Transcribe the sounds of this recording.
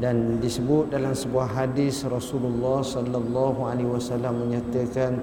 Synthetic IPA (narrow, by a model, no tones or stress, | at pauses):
dandisəbʊt̪̚dalamsəbuaɦadisrɔsululːɑhsɔlːalːɑɦualewasalamːəɲat̪əkan